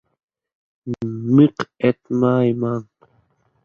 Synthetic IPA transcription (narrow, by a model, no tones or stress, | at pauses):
miqet̪majmaŋ